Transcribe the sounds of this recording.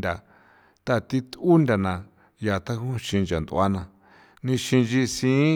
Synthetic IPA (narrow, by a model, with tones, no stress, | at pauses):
nd̪ʲa˨ | t̪a˦˨t̪i˦t̪u˦nd̪ʲa˨nã˨ | ja˨t̪a˦kũ˦ʃĩ˧nd͡ʒa˨nd̪ṵ˧˨a˦nã˧ | nĩ˧ʃĩ˧nd͡ʒi˧sĩ˦